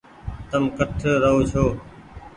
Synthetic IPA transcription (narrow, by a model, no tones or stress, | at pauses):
t̪əmkəʈʰɾəɦoːt͡ʃʰoː